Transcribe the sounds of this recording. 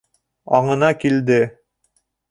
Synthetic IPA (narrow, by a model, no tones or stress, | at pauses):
ɑɴɤ̆nɑkild̪ɘ